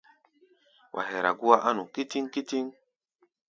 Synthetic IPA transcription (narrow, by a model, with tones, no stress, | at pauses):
wʔa̰˨ɦe˨ɾa̰˨ɡu˦a˦ʔa˦nu˨ki˦ti˦ŋki˦ti˦ŋ